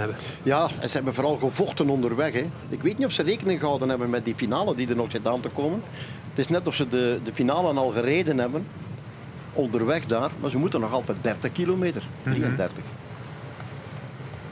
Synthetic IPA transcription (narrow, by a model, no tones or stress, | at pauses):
jaːɛ̰nzəɦɛbənvoːɾɑlˠɣəvɔxtənɔndərʋɛxɛ | ɪkʋeːtnitɔfsəreːkənɪŋɣəɦɑwdənɦɛbənmɛt̚difinaːlədidərnɔxsɪtaːntəkoːmən | ətɪsnɛtɔfsədədəfinaːlənɑlˠɣəreːdənɦɛbən | ɔndərʋɛxdaːrmaːrzəmutənːɔxɑlˠtɛjt̚dɛrtəxkilomeːtərd̥riəndɛrtəx